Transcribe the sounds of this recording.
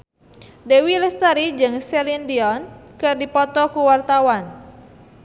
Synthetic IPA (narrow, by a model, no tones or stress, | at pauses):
dewilɛst̪aɾid͡ʒɨŋsɛlindiɔnkɨrdipɔt̪ɔkuwart̪awan